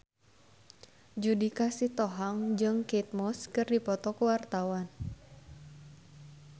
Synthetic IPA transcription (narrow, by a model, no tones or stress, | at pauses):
d͡ʒudikasit̪ɔɦaŋd͡ʒɨŋkit̪̚mɔskɨrdipɔt̪ɔkuwart̪awan